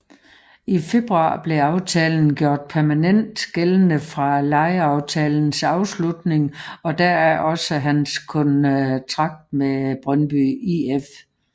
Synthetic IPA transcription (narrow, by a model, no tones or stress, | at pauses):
ife̝b̥ʁuɑ̰̈b̥le̝ɑ̈ʊt͡sʰɛːln̩ɡ̥jo̝ɐ̰d̥̚pʰæɐmænen̰d̥ɡ̥elənəfʁɑ̈lɑ̈ɪəɑ̈ʊt͡sʰɛːln̩sɑ̈ʊslud̥ne̝ŋɒ̽d̥æɐ̰æʔɒ̽səɦænskʰɔ̽nt͡sʰʁɑ̈ɡ̥̚d̥meb̥ʁɶnb̥yief